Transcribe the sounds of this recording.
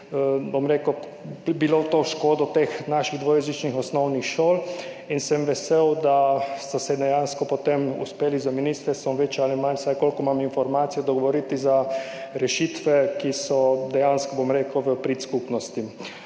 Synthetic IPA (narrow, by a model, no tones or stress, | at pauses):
bomɾeːkw | bilot̪oʃkoːd̪ɔt̪exnaʃiɣd̪ʋɔjezit͡ʃnixɔsnɔwnixʃoːl | insɛmʋɛsewd̪ast̪asɛd̪ɛjanskɔpɔt̪emṵspeːlizaminiːst̪ɾɛsɔmʋet͡ʃalimansajkolkɔmaminfɔɾmaːt̪sijɛd̪ɔɡɔʋɔɾiːt̪iza | ɾɛʃit̪ʋɛkisɔd̪ɛjanskɔbomɾeːkəwʋəpɾit̪skupnɔst̪i